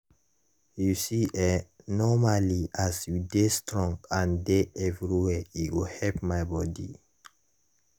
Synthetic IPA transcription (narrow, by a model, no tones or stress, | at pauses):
jusiʔɛ | nɔmaliʔasjudestɹɔ̃ŋɡãndeʔɛvɹiwɛiwilhɛlpmajbɔdḭ